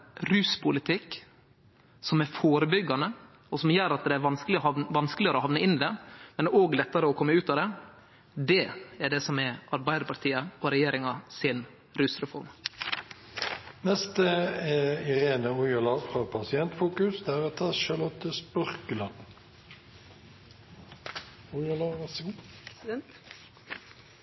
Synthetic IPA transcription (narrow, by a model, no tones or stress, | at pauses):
ɾʉːspʰʊlɪt̪ʰɪk | sɔmæɾfoːɾəbʏɡːɑnə | ɔsɔmjøːɾɑt̪̚d̪ɛæɾʋɑnsklɪɔɑʋɑnsklɪəɾɔhɑʋnəɪnːɪd̪ɛmɛnɛoːɡlɛt̪ːɑɾəɔkʰɔmːəʉːt̪ɑd̪ɛ | d̪ɛæɖɛsɔmɛʔɑɾbæɪd̪əɾpʰɑɾt̪ʰiːəɔɾɛjeːɾɪŋɑsɪn | ɾʉsɾɛfɔɾm | nɛst̪əɛɪʁeːnəɔjəlɑfʁɑːpʰɑsɪɛnt̪fuːkʉsd̪æːɾot̪ʰɑʃɑʁlɔt̪ːəspœʁkəlɑn | ʊlɑs